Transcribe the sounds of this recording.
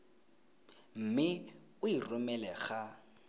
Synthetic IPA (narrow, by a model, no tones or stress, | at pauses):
m̩mɪ | ʊirʊmɛlɛɣa